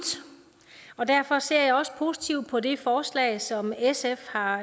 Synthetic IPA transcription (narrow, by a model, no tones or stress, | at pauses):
ɒ̽d̥æɐ̰fɒ̽se̝ɐ̰jɑ̈ɪɒ̽sə̥pʰo̝ːsi̥t͡sʰiʊd̥̚pʰɒ̽de̝fɒːslɛ̰ːsɒ̽mesefhɑ̈